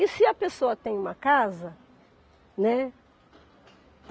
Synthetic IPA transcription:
ɪsɪɐpesoɐt̪ẽj̃ũmɐkazɐ | nɛ

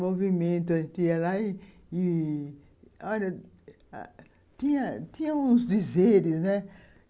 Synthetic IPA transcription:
movimẽnt̪ʊɐʒẽt̪iɐlaɪː | ɔʎɐ̰ | t̪ĩɲɐt̪ĩɲɐũzd̪izeɾɪznɛ

